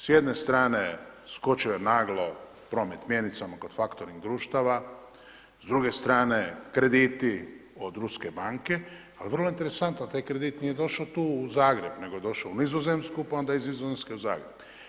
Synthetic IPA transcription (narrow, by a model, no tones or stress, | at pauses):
sjed̪nest̪ɾaːne̞sko̞t͡ʃiojenaːɡlˠo | pɾo̞ːmet̪mje̞nit̪samako̞d̪̥fakt̪oɾniɣd̪ɾuːʃt̪aʋa | zd̪ɾuɡe̞st̪ɾaːne̞kɾe̞d̪it̪iod̪ɾuske̞baŋke̞ | aliʋərloint̪e̞ɾe̞sant̪not̪aːjkɾed̪it̪nije̞d̪o̞ʃat̪uːuzaːɡɾe̞bne̞ɡo̞je̞d̪o̞ʃaunizozemskupao̞nd̪aizizozemskeuza̰ːɡɾeb̥